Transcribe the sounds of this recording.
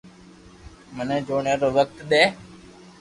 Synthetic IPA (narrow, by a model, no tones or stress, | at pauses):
mənẽːd͡ʒoːɳẽːɾoːʋək̚t̪ɗ̪eː